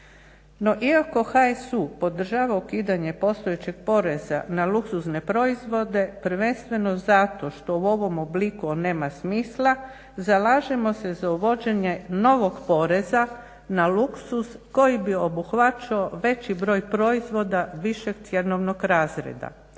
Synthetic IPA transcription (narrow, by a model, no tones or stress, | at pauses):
no̞ʔiako̞xaesupo̞d̪r̩ʒaːʋaukiːd̪aɲe̞po̞st̪ojet͡ɕeɡ̥̚po̞ɾe̞za̰nalˠuksuzne̞pɾo̞izʋo̞d̪e̞pɾʋenst̪ʋe̞no̞zat̪o̞ʃt̪ouo̞ʋo̞moblikune̞ːmasmiːslˠa | zalaːʒemo̞se̞zauʋo̞d͡ʒe̞ɲe̞no̞ʋo̞ɡpo̞ɾe̞za | naluksusko̞jibio̞buxʋat͡ʃioʋe̞t͡ɕibɾo̞ːjpɾo̞izʋo̞d̪aʋiʃeɡt̪sʲjenoʋno̞ɡɾaːzɾḛd̪a̰